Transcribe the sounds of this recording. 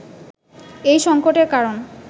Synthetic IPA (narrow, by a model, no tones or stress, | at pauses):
ejʃɔŋkoʈeɾkaɾon